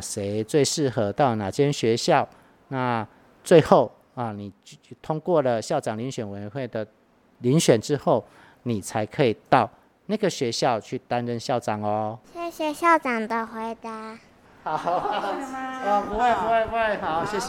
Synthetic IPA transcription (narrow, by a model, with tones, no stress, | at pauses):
ʂe˧˦ɪt͡swe˥˧ɪʂɻ̩˥˨xɤ˦t̪a˥˩ʊnã˨˩t͡ɕʰjɛ˦nɕɥɛ˧˦ɕjɑ˥˨ʊ | na˥˨ | t͡swe˥˧ɪxo˥˨ʊ˨˩ | nĩ˨˩t̪ʰʊ˦ŋkwɔ˥˨lə˨ɕjɑ˥˩ʊʈ͡ʂɑ˨˩ŋli˧˨˦nɕɥɛ˨˩nwe˧˨˦jnxwe˥˩ɪd̪ə˩ | li˨˦nɕɥɛ˨˩nʈ͡ʂɻ̩˦xo˥˨ʊ | nĩ˨˩t͡sʰa˧˦ɪkʰə˧˦i˨˩t̪a˥˨ʊ | na˥˩ɡə˨ɕɥɛ˧˦ɕjɑ˥˧˨ʊt͡ɕʰy˥˨t̪a˦nɻə˧nɕjɑ˥˩ʊʈ͡ʂɑ˨˩ŋɔ˨ɕjɛ˥ɕjɛ˧˦ɕjɑ˥˩ʊʈ͡ʂɑ˨˩ŋd̪ə˨˩xwe˧˥ɪt̪a˧˦ | ha˨˩˦ | u˧e˥˧pu˧we˥˧pu˧˦˧e˥˧ɪxa˨˦ʊɕjɛ˥˩